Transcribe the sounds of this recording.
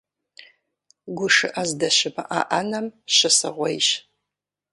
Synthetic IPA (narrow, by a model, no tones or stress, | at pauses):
ɡʷʊʂɨʔɐzdɐɕɪmɨ̰ʔaʔanɐmɕɐsɐ̰ʁʷɔjʃ